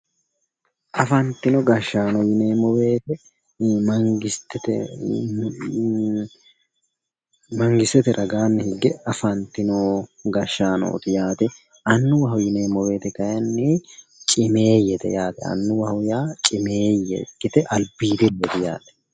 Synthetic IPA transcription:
ʔɐfɐnt̪ɪnɔɡɐʃːaːnɔjɪneːmɔwe̞ːt̪ɛ | mɐŋɡɪt̪ɛt̪ɛ | mɐŋɡɪsɛt̪ɛɾʔɐɡaːnːɪhɪɡːɛɐfɐnt̪ɪnoːɡɐʃːaːno̰ːt̪ɪjaːt̪ɛ | ʔɐnːʊwɐɦwjɪneːmɔwe̞ːt̪ɛkɐjɐnːɪt͡ʃʼɪme̞ːjɛt̪ɛ̰jaːt̪ɛɐ̰nːʊwɐhwjaːt͡ʃʼɪme̞ːjɛ̰ɡɪt̪ɛʔɐlbiːd̪ɛdɛt̪ɛja̰ːt̪ɛ̥

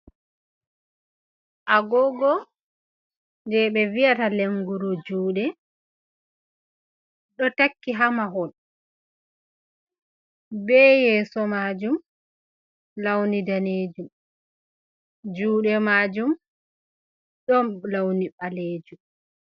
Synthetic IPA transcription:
ʔaɡɔɡɔ | ndɛɓɛvijataleŋɡuɾud͡ʒuːɗɛ | ɗɔtakːiɦamaɦɔn | bɛjɛːsɔmaːd͡ʒum | lawnidaneːd͡ʒum | d͡ʒuːɗɛmaːd͡ʒum | ɗɔnlawniɓaleːd͡ʒum

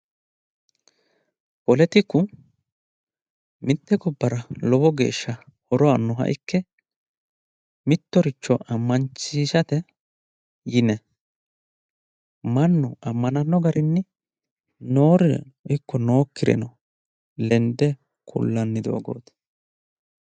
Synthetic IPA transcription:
pɔlɛt̪ɪkːʊ | mɪt̪ːɛɡɔbːɐɾɐlɔbɔɡe̞̰ːʃːɐ | ɔɾɔanːɔɦɐ̰ʔɪkʰːɛ | mɪt̪ːɔɾɪt͡ʃːɔʔɐmːɐnt͡ʃːiːʃɐt̪ɛ | jɪnɛ | mɐnːʊʔɐmːɐnɐnːɔɡɐɾʔɪnːɪ | no̞ːɾɛʔɪkːɔno̞ːkːɪɾɛ̰nɐ | lɛnd̪ɛ | kʰʊ̰lːɐnːɪd̪o̰ːɡo̰ːt̪

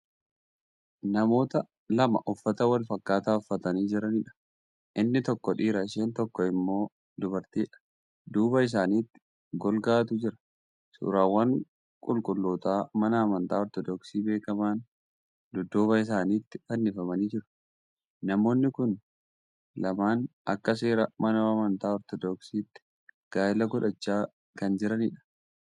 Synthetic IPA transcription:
nɐmo̞ːt̪ɐ | lɐmɐ̰ʔʊfːɐt̪ɐwɐlfɐkːaːt̪aːɔfːɐt̪ɐniːd͡ʒɪɾɐniᶑɐ̥ | ʔɪnːɪt̪ɔkːɔᶑiːɾɐɪʃeːnt̪ɔkːɔɪmːo̞ː | d̪ʊbɐɾt̪iːᶑɐ̥ | d̪uːbɐɪs̬aːniːt̪ːɪ̥ | ɡɔlɡaːt̪ʊd͡ʒɪɾɐ̥ | sṵːɾaːwːɐŋ | kʼʊlkʼʊlːoːt̪aːmɐnɐːmɐnt̪aːɔɾt̪ɔd̪ɔksiːbe̞ːkɐmaːn | d̪ʊd̪oːbɐɪs̬aːniːt̪ːɪ̥fɐnːɪfɐmɐniːd͡ʒɪɾʊ̥ | nɐmo̞ːnːɪkʊn | lɐmaːnɐ̰kːɐs̬e̞ːɾɐmɐnoɐmɐnt̪aːɔɾt̪ɔd̪ɔksiːt̪ːɪ̥ | ɡ̥aːɪlɐɡʊᶑɐt͡ʃːaː | kɐnd͡ʒɪɾɐnɪᶑɐ̥

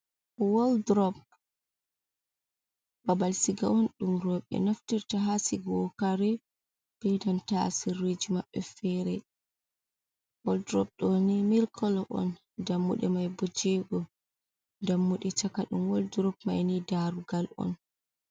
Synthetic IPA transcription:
wɔldɾɔp̚ | babalsiɡaɔnɗumɾɔɓɛ̰noftiɾtaɦasiɡɔkaɾɛ | b̥ɛdantasirːed͡ʒimaɓːɛfɛɾɛ | wɔldɾɔb̚ɗɔnimilkʰɔlɔʔɔ̰n | damːuɗɛmajbɔd͡ʒɛɡɔ | ndamːuɗɛt͡ʃakaɗumwɔldɾɔpmajnidaɾuɡalʔɔ̰n

